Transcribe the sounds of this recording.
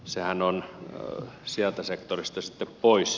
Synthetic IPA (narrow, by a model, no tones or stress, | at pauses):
sehænon | siælt̪æsekt̪orist̪ɑsit̪ːeppois